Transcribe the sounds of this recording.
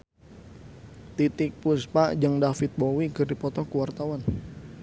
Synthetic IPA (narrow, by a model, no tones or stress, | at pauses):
t̪it̪ɪk̚pʊspaʔd͡ʒəŋdafɪt̪̚bowiɡərdipɔt̪ɔkuwart̪awan